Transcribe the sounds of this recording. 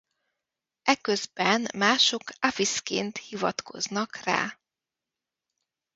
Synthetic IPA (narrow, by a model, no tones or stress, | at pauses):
ɛkøzbɛnmaːʃo̞kafiskḛːnt̪hivɒt̪ko̞̰znɒkra̰ː